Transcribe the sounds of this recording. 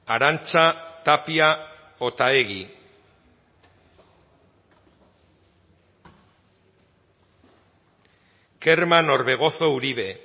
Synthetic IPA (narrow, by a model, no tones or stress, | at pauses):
aɾant͡sat̪apia | ot̪aeɣi | ke̞ɾmano̞ɾβe̞ɣ̞o̞θo̞uɾiβe̞